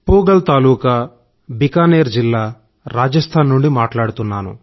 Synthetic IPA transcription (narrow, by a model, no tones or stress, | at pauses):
puːɡɐlt̪aːluːkɐ | bikaːneːɾd͡ʒilːaː | ɾaːd͡ʒɐst̪ʰaːnːuɳɖimaːʈlaːɽut̪unːaːnṵ